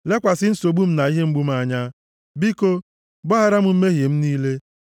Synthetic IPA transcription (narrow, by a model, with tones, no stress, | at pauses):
le˦kʷa˨sɪ˦n̩˦so˨ɡ͡bu˦m̩˦na˨i˦ɦe˦ŋ͡m̩˦ɡ͡bu˦m̩˦a˦ɲa˦ | bi˦ko˦ | bɔ˦ɦa˦ɾa˦m̩˦m̩˦me˦ɦje˨m̩˦niː˦le˦